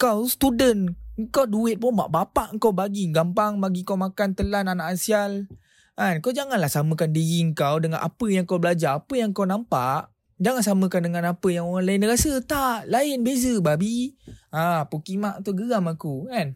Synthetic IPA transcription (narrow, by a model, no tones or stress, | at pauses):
kawst̪udənŋkawduɪt̪̚pʊnba̰ʔbapaʔŋkawbaɡiɡampaŋbaɡikawmakant̪əlananaʔansial | kankawd͡ʒaŋanlahsaməkandijiəŋkawdəŋa̰nʔa̰pəjaŋkawbəlad͡ʒaapəjaŋkawnampaʔ | d͡ʒaŋansaməkandəŋanapəjaŋoɣaŋlaɪnɾasət̪aʔlaɪnbezəbabiapukimaʔt̪uɡəamakukan